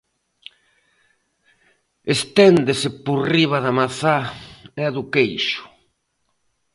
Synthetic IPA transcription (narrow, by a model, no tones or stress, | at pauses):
est̪ɛnd̪esɪporiβaðamaθaɛðʊkejʃʊ̥